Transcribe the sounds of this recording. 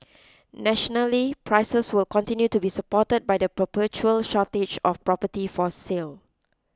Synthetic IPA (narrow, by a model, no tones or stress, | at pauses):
nɛʃɔnəlipʰɹajsəswɪlkɔ̃ntĩnjutubisəpɔtəd̚bajdəpɹəpət͡ʃuəlʃɔted͡ʒɔfpɹɔpətifɔsel